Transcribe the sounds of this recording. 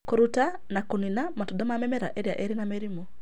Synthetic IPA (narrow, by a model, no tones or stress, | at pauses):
koɾuta | nakoninamatɔdamamɛmɛɾa̰ʔeɾia̰ʔeɾinameɾimo